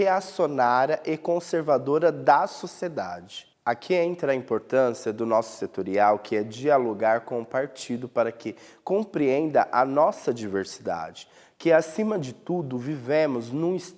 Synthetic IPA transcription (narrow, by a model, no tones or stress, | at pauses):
easjonaɾɐʔɪkõseɾvad̪oɾɐd̪ɐsosied̪a̰d͡ʒɪ | akʰiẽnt̪ɾɐĩmpoɾt̪ɐ̃siɐd̪ʊnɔsʊ̥set̪oɾiawkɪɛd͡ʒialoɡaɾkõʊpaɾt͡ʃid̪ʊpaɾɐkɪkõpɾiẽnd̪ɐ̰ʔɐnɔsɐd͡ʒiveɾsid̪a̰d͡ʒɪ̥ | kɪasĩmɐd͡ʒɪt̪ud̪ʊvivẽmʊznũɪs